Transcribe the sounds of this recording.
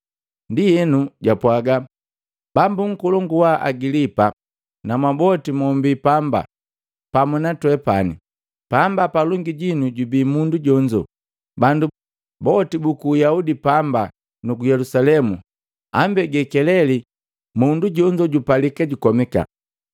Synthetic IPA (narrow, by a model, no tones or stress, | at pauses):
ndijɛnuɟapwaɡa | bambuŋ̩kɔlɔŋɡuwaʔa̰ɡilipa | namwabɔtimɔmbipamba̰ | pamunatwɛpanḭ | pambapaluŋɡiɟinuɟubiːmunduɟɔɲd͡ʒɔ̰ | bandu | bɔtibukuːjaudipamba | nukujɛlusalɛmu | a̰mbɛɡɛkɛlɛli | munduɟɔɲd͡ʒɔɟupalikaɟukɔmika̰